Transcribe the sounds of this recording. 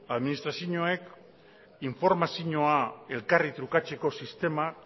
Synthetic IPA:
aðminist̪ɾasjioɲoe̞k | iɱfo̞ɾmasiɲo̞ae̞lkarit̪ɾukat͡se̞ko̞sist̪e̞ma

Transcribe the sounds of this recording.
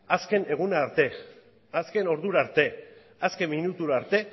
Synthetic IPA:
aske̞ne̞ɣ̞unaɾt̪e̞ | aske̞no̞ɾðuɾaɾt̪e̞ | aske̞mːinut̪uɾaɾt̪e̞

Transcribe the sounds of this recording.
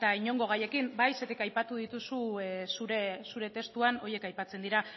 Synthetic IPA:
t̪aiɲo̞ŋɡo̞ɣ̞aje̞kimbajse̞t̪ikajpat̪uð̞it̪usuesuɾesuɾe̞t̪e̞st̪uano̞je̞kajpat͡se̞nd̪iɾa

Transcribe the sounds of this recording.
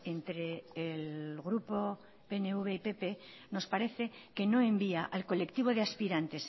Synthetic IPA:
e̞nt̪ɾe̞ːlɣɾupo̞ | peneuβ̞e̞ipe̞pe̞ | no̞spaɾe̞θe̞ke̞no̞e̞mbiaʔalko̞le̞kt̪iβ̞o̞ðeaspiɾant̪e̞s

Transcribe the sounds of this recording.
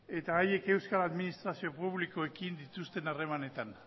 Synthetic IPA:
e̞t̪aːje̞ke̞wskalaðminist̪ɾasio̞puβliko̞e̞kind̪it̪ust̪e̞nare̞mane̞t̪an

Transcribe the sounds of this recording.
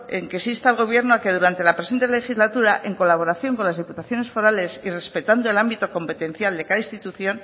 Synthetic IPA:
eŋkesist̪alɣ̞o̞β̞je̞ɾnoake̞ðuɾant̪e̞lapɾe̞se̞nt̪ele̞xizlat̪uɾaʔe̞ŋko̞laβ̞o̞ɾaθjo̞ŋko̞nlazðiput̪aθjo̞ne̞sfo̞ɾale̞sire̞spe̞t̪and̪oe̞lambit̪o̞ko̞mpe̞t̪e̞n̟θjald̪e̞kaðainst̪it̪uθjo̞n

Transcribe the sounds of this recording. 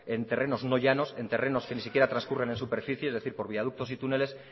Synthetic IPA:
e̞nt̪e̞rʔe̞no̞zno̞ʝano̞se̞nt̪e̞re̞no̞ske̞nisikjeɾat̪ɾanskure̞ne̞nsupe̞ɾfiθjeezðe̞θiɾpo̞ɾβiað̞uk̚t̪o̞sit̪une̞le̞s

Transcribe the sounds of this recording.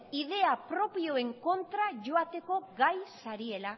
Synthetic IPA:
ið̞e̞apɾo̞pio̞e̞ŋko̞nt̪ɾaʝo̞at̪e̞ko̞ɡajsaɾie̞la

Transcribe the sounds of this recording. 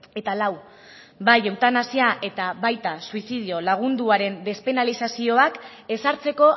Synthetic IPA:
e̞t̪alaw | bajewt̪anasiaʔe̞t̪aβajt̪asuisið̞io̞laɣ̞und̪uaɾe̞nd̪e̞spe̞nalisasio̞ak | e̞saɾt͡se̞ko̞

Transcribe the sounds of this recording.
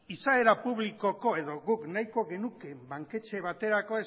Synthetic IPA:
isae̞ɾapuβliko̞ko̞e̞ðo̞ɣuknajko̞ɣe̞nuke̞mbaŋke̞t͡ʃe̞β̞at̪e̞ɾako̞e

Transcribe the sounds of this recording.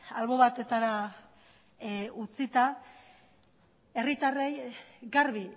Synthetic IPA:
alβo̞βat̪e̞t̪aɾa | ut͡sit̪a | e̞rit̪arejɡaɾβi

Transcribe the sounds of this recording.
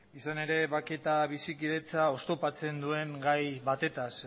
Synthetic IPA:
isane̞ɾe̞βake̞t̪aβ̞isikiðe̞t͡sao̞st̪o̞pat͡se̞nd̪ue̞ŋɡajβat̪e̞t̪as

